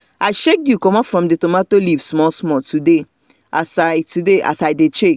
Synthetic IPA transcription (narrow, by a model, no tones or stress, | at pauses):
aɪʃekjukɔmɔfɹɔ̃mdetomatolivsmɔsmɔtude | ʔasatudeʔa̰sajdet͡ʃek